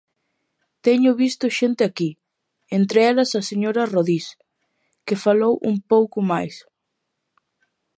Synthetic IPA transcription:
t̪ɛɲʊβist̪ʊʃent̪ɪaki | ent̪ɾeɛlɐsaseɲoɾɐroðis | kefalowʔṵmpowkʊmajs

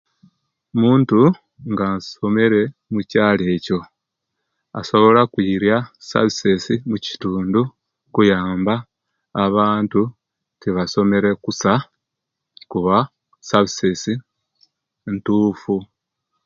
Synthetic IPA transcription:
muːntu | ŋɡaso̞me̞ɾe̞mucaːle̞ːco̞ | a̰so̞βo̞lakwiːɾjasa̰βisesimuci̥tuːndu | kujaːmbaː | βaːntu | tiβaso̞me̞ɾe̞kusa | kuβa | saβisesi | ntuːfu

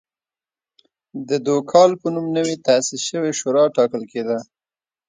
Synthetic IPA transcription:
d̪əd̪okʰɑlpənumnəwit̪asisʃəweʃoɾɑʈɑkəlked̪a

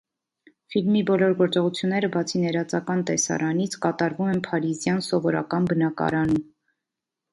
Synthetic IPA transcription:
filmibɔlɔɾɡɔɾt͡sɔʁut͡sʰjunːɛɾəbɑt͡sʰinɛɾɑt͡sɑkɑnt̪ɛsɑ̰ɾɑnit͡sʰkɑt̪ɑɾvumɛnpʰɑɾizjɑnsɔvɔɾɑ̰kɑnbənɑkɑ̰ɾɑnum

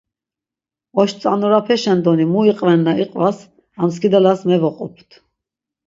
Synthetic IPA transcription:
ɔʃt͡s̪ʼanɔɾapʰɛʃɛnd̪ɔnimuiqʼvɛnːaiqʼvas | amskid̪alasmɛvɔqʼɔpʰt̪ʰ

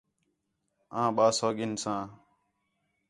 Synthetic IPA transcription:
ãːɓaːsoːɡɪnsãː

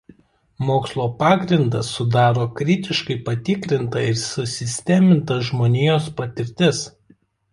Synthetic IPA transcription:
moːkslˠoːpɑːɡɾʲɪnd̪ɐsʊd̪ɑːɾoːkɾʲɪt̪ʲɪʃkɐɪpɐt̪ʲɪkɾʲɪnt̪ɐɪɾsʊsʲɪsʲt̪ʲɛmʲɪnt̪ɐʒmoːnʲeːjoːspɐt̪ʲɪɾʲt̪ʲɪs

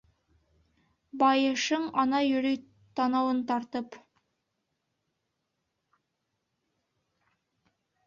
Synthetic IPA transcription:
bɑjɤʃɤɴɑnɑjɵ̆ɾyj | t̪ʰɑnɑwənt̪ɑɾt̪əp

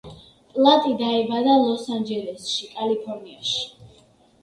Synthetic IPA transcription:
pʼlˠat̪ʼid̪aɛbad̪alˠɔsand͡ʒɛlɛsʃikʼalipʰɔɾniaʃi̥

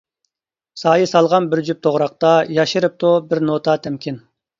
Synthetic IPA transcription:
sɑːjisɑlˠʁɑnbɪɾd͡ʒyp̚t̪ʰoʁɾɑq̚t̪ɑjɑʃɨɾɨp̚t̪ʰubɪɾnot̪ʰɑt̪ʰɛmkʲin

